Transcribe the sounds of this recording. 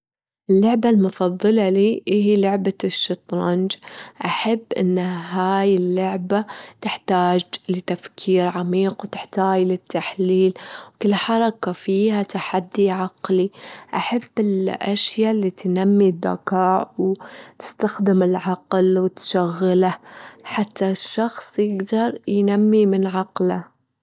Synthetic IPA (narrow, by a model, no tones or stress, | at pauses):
ʔɪlːʊʕbalmʊfɑðˤːɨlɑliːʔɪɦilʊʕbaʃːɨt̪ˤɾˤɑnd͡ʒʔaħabːʔɪ̰nːɦaːjɪlːʊʕbat̪ɪħt̪aːd͡ʒlɪt̪afkʰiːɾʕamiːqwt̪ɪħt̪aːd͡ʒlɪt̪ʰːaħliːlwkɪlːħɑɾˤɑkafiːhat̪aħad̪ːiʕɑqliʔaħabːɪlʔaʃjalːit̪namːid̪ːa̰kɑːʕwt̪ɪ̥st̪axd̪ɪmɪlʕɑqlwɪt̪ʃaɣːɪlaħat̪ʰːaʃːɑxsˤjɪɡd̪ɑɾˤjnamːimɪnʕɑqla